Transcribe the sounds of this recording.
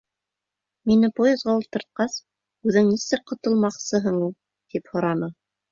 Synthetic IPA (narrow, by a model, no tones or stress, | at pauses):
minɘpojezʁɑulˠt̪ɤ̆ɾt̪̚qɑs | ʉðɘŋnisɘqŏt̪ɤ̆lˠmɑqsɤɦɤɴulˠ | t̪iphŏɾɑnɤ